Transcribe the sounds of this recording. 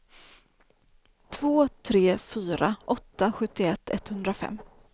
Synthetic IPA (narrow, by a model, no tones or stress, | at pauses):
t̪ʰvoːt̪ʰɾeːfyːɾaʔɔt̪ːaɧɵt̪ːɪɛt̪ʰːɛt̪hɵnd̪ɾafɛ̰mː